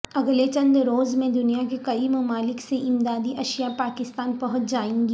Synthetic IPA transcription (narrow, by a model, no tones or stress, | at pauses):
ɐɡlet͡ʃɐ̃nd̪ɾoːzmẽd̪ʊnijakekɐimɐmaːlɪkseʔɪmd̪aːd̪iʔɐʃjapaːkɪst̪aːnpɐɦʊt̪d͡ʒaːẽːŋɡi